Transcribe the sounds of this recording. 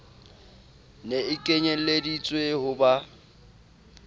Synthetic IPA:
neɪkʼeɲen̩ledit͡sʼwehʊba

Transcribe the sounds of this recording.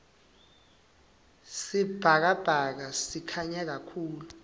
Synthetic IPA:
sib̥ʱak̬ab̥ʱak̬asikʰaɲɛk̬akʰuːlu

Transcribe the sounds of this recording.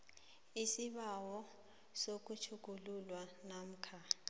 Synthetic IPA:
isiɓawɔ | sok̬ʼut͡ʃʰuk̬ʼululwanam̩kʰa

